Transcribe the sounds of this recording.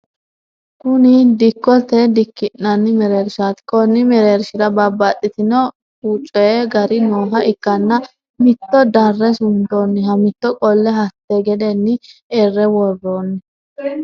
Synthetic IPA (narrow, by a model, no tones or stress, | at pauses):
kʊnɪd̪ɪkːɔt̪ːɛd̪ɪkːɪnːɐnːɪmɛɾeːɾʃat̪kɔnːɪmɛɾeːɾʃɪɾɐbɐbat̪ʼːɪt̪ɪnɔ | ut͡ʃʼːɔjɛɡɐɾɪnoːɦɐɪkːɐnːɐ | mɪt̪ːɔd̪ɐrːɛsʊnd̪oːnːɪɦɐmɪt̪ːɔkʼɔlːɛɦɐt̪ːɛɡɛd̪ɛnːɪerːɛwɔrːoːnːɛ